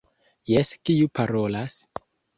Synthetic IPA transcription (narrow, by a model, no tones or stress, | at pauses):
jeskiupʰaɾo̞las